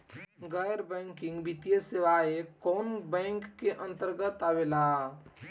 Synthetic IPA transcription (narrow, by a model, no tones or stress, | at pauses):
ɡəjɾbɛ̃ŋkɪ̃ŋɡbit̪ijəseʋaekɔnbɛ̃ŋkːeʔə̃nt̪əɾɡət̪abela